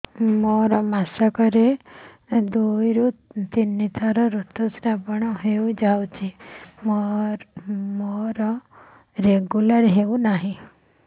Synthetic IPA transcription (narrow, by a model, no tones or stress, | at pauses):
mɔɾɔmasakɔɾe | d̪ujɾut̪t̪inːit̪ʰaɾɔɾut̪ɔsɾapɔɳ̃ɔɦeud͡ʒawt͡ʃʰimɔɾmɔɾɔ | ɾeɡulaɾɦeunaɦĩ